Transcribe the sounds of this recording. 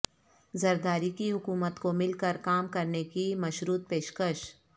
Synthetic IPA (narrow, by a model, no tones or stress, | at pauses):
zɐɾd̪aːɾikiɦʊkuːmət̪komɪlkəɾkaːmkɐɾnekimɐʃɾuːt̪̚peːʃkəʃ